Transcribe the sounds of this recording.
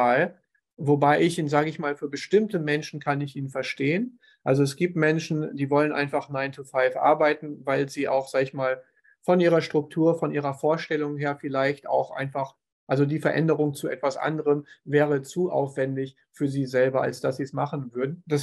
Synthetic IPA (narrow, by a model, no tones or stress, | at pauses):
aːl | vobaɪʔɪçʔiːnzaːɡəɪçmaːlfyːɐbəʃtɪmtəmɛnʃn̩kʰanɪçʔiːnfɛɐʃteːən | ʔalzoɛsɡ̥iːp̚tmɛnʃn̩d̥iːvɔlənʔa̰ɪnfaχnaɪntʰufaɪfʔa̰ɐbaɪtn̩vaɪlziːʔa̰ʊxz̥aːɡəɪçmaːl | fɔnʔiːʁɐʃtʁ̥ʊk̚tʰuːɐfɔnʔiːʁɐfoːɐʃtɛlʊŋheːɐfɪlaɪçta̰ʊxʔa̰ɪnfaχ | ʔalzodiːfɛɐʔɛ̰ndəʁ̞ʊŋt͡suʔɛtv̥asʔa̰ndəʁəmvɛːʁ̞ət͡suʔa̰ʊfv̥ɛndɪç | fyːɐziːzɛlbɐa̰lsd̥asz̥iːsmaχn̩vʏɐdn̩d̥as